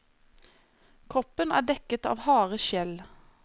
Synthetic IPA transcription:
kʰʁɔpənæːɖɛkət̪ɑ̰ːʋhɑːʁəʃjɛl

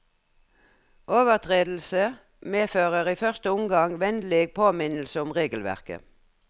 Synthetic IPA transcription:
ʔoːʋəʁt̪ʰʁeːd̪l̩sə | meːføːʁəʁiːfœʁst̪əʊmɡɑŋʋɛnd̪leːɡ̚pʰoːmɪnl̩səʊmʁeːɡəlʋæ̰ʁkə̰

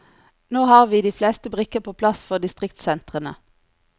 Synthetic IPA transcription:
noːhɑːʁʋiːd̪iːfleːst̪əbʁɪkəpʰoːpʰlɑsfɔʁd̪ɪst̪ʁɪkt̪sɛnt̪ʁənə

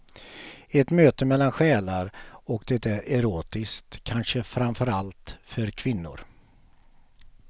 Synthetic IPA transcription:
ɛt̪møːt̪əmɛlːanɧɛːlaɾɔkd̪ɛt̪æɾɛɾoːt̪ɪskt̪ʰːanʂəfɾamfœɾalt̪fœɾkʰvɪnːʊ̰ɾ

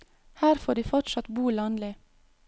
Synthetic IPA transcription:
hæːɾfoːɖiːfɔʈʃɑt̪buːlɑːnlɪ

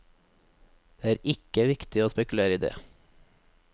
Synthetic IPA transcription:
d̪̥eːæːɾɪkəʋɪkt̪ɪoːspɛkʉl̩eːɾəid̪ḛː

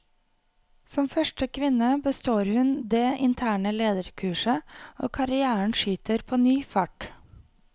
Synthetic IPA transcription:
sɔmfœʃʈəkʰʋɪnəbəst̪oːɾhʉnd̪eːʔɪnt̪ʰæːɳəleːd̪əɾkʰʉːʃəo̰ːkʰɑɾɪæːəɳ̩ʃyːt̪əɾpʰoːnyːfɑʈ

